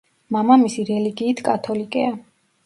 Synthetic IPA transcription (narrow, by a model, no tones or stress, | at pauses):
mamamisiɾɛliɡiːt̪ʰkʼat̪ʰɔlikʼɛa